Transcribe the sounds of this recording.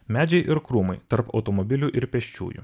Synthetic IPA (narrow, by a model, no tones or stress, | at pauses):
mʲæːd͡ʒʲɛɪʔɪɾkɾuːmɐɪt̪ɐɾpɐ̰ʊt̪ɔmɔbʲɪlʲuʔɪɾpʲɛʃʲt͡ʃʲṵːjṵː